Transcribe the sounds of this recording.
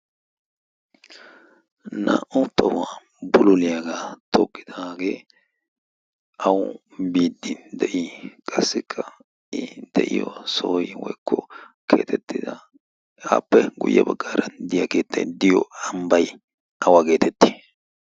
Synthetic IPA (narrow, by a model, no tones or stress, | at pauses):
nɐ̰ʔʊt̪ːɐwaː | bʊlʊlɪjaɡat̪ʰɔkʼːɪ̥d̪aɡeː | ɐwʊ | biːd̪ːɪnd̪ɛʔikʼɐsːɪkʰːɐ | ɪd̪̥ɛʔɪjɔ̰soːjɪwɔjkːɔkʰeːt̪ʰɛt̪ːɪd̪ɐ | aːpːɛɡʊ̰jːɐbɐɡːaːɾɐnd̪ɪjɐkeːt̪ːɐd̪ɪjɔɐmbɐj | ɐwake̞ːt̪ɛt̪ːɪ̥